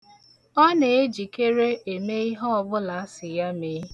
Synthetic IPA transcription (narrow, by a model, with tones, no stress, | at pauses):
ɔ˦ne˨e˦d͡ʒi˨ke˦ɾe˦e˨me˦i˦ɦɔ˦ɔ˨bʊ˦la˨a˦sɪ˨ja˦meː˨˦